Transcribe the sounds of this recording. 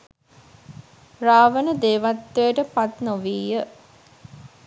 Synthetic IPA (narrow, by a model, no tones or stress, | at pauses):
raːʋənəd̪eːʋat̪ːəjəʈəpat̪noʋiːjə